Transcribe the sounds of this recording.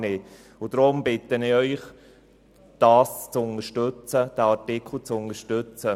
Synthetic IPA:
nɪ | ʊd̥̪ɾʊmbɪt̪ənɪœʏχ | d̥ɑːst͡sʊnəʃtøt͡səd̥̪æːɑɾtɪkʰl̩t͡sʊnəʃtøt͡sə

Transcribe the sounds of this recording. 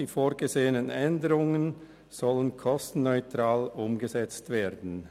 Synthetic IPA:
iːfoːʁɡəzeːənənʔɛndəʁʊŋən | z̥ɔlənkʰɔstn̩nɔʏtʁ̥aːlʔʊmɡəzɛt͡stv̥eːdn̩

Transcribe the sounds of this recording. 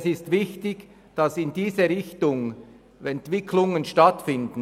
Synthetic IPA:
sɪstvɪçtɪç | d̥ɑsɪndiːzəɾɪçtʊŋ | ɛntv̥ɪkʰlʊŋənʃtɑtfɪndn̩

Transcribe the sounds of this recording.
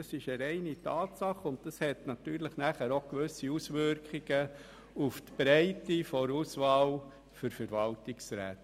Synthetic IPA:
ɑsɪʃəɾɛɪnitɑːtsɑχʊnt̚tɑshɛtnɑtyːɾləχnæχæɾokʋʏsiusʋʏɾkχiɡ̥ə | uftb̥ɾæɪtifɔɾusʋɑːl | fʏɾfəɾʋɑltɪksɾæ̰ːt

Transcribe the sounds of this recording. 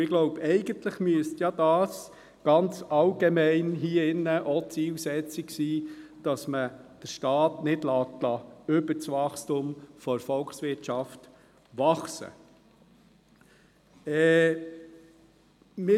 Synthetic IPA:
ɪɡ̥loʊbɛɪɡənt̪ləχmyəstjɑdɑːs | ɡ̥ɑnt͡sɑlɡemɛɪnɦiːɪnːəʔɔt͡siːlsɛt͡sɪɡsiːd̥ɑsməd̥əɾʃtɑːtnɪdlɑːtlɑʏbət͡sʋɑχstumfɔɾfɔlksʋɪɾtt͡ʃɑft | ʋɑχsə̰ | ɛ | mɪ

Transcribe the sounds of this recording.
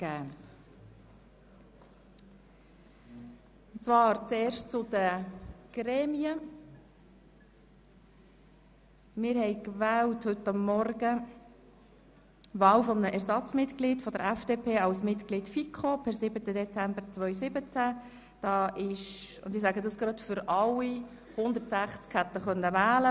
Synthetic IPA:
ɡ̥æː | ʊnt͡svɑːɾt͡seːɾʃtt͡sʊd̥̪əɡ̥ɾɛːmiə | mɪɾhɛjkvæːlthɵtːɑmːɔrɡə | ʋɑːlfɔmənəʔɛɾsɑt͡smɪtklid̥fɔd̥̪əɾɛfd̥epʰeːɑlsmɪtkliːtfikʰχopʰɛɾsɪbət̪əd̪ɛt͡sæmbəɾt͡sʋœʏsɪbət͡sæ | d̥ɑːʔɪʃʊ̰ndɪsæːɡəd̪ɑsɡ̥ɾɑt̪fʏɾɑlːi | hʊnd̪əɾtsæχt͡skhæt̪əχœnːəʋæːlə

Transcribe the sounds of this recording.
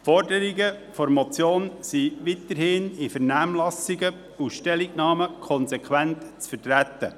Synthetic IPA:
fɔɾdəɾiɡəfɔɾmɔt͡sjoːnsiʋit̪əɾhɪːnifəɾnæmlɑsɪɡə | uʃtɛliɡnɑːməkʰɔnsɛkʰwæntt͡sfərtɾæt̪ə

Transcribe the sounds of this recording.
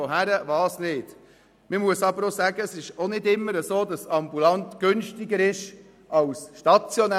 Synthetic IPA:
oɦæɾəʋɑːsnɪːd̥ | məmuəsɑbəɾosæːɡəsɪʃonɪdɪmːəɾəzoːdɑsɑmbulɑntɡ̥ʏnʃtɪɡəɾɪʃ | ɑwsʃtɑt͡sjɔnæ

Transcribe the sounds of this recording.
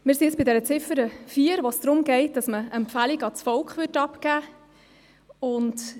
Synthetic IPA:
mɪɾsiəsb̥ɪdɛɾət͡sɪfəɾəfiːəɾʋosd̥ɾʊmɡ̥ɛɪt̚d̥ɑsməɛmpfæliɡɑt͡sfɔlkχʋʏtɑpkæː | ʊnt

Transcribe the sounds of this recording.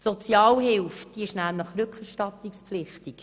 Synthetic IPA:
sot͡sjɑːlɦɪlfd̥iəɪʃnæmləχɾʏkχɛɾʃtɑtikspflɪχtik

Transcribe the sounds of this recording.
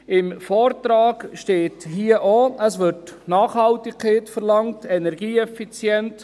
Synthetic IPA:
ɪmfɔːrt̪ɾɑːɡʃteːthiːəʔoəsʋɪɾtnɑːχhɑltɪkkʰeːtfərlɑŋtɛnɛɾɡiːɛfit͡sjɛnt

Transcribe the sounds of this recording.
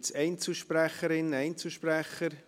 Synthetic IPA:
t͡sɛɪnt͡suʃpræχəɾɪnɛɪnt͡suʃpræχːəɾ

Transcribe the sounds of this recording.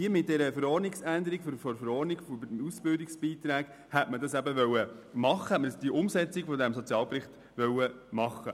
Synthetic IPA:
iəmɪt̚d̥ɛɾəfəɾɔːɾnɪksænd̪əɾiɡffɔɾfəɾɔːɾniɡfusb̥ɪldɪksb̥iːt̪ɾæːɡ | hɛtmədɑsæbəʋœwəmɑχːəhɛtmədsd̥iəʔʊmsɛt͡sɪɡ̥fodæmsɔt͡sjɑːlpɾɪχt | ʋœwəmɑχːə

